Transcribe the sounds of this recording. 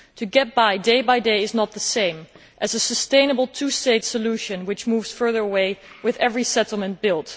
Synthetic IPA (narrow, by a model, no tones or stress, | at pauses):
tʰɨɡɛt̚b̥aɪdeɪbaɪdeɪɨznət̪̚ðəsẽɪ̃m | ʔɨzɨsɨstẽɪ̃nəbl̩ˠtʰusteɪtsəluʃɨ̃nwɨt͡ʃmuvz̥fɜ˞ðə˞əweɪwɨðɛvɹisɛɾl̩ˠmɨ̃nb̥ɪlˠt